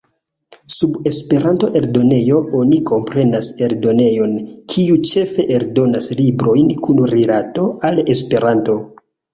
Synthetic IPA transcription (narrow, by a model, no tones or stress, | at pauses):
sube̞spe̞ɾanto̞ʔe̞ɾdo̞ne̞jo̞o̞niko̞mpɾe̞nase̞ɾdo̞ne̞jo̞nkʰiut͡ʃe̞fe̞ʔeɾdo̞naslibɾo̞jnkunɾilato̞ale̞spe̞ɾanto̞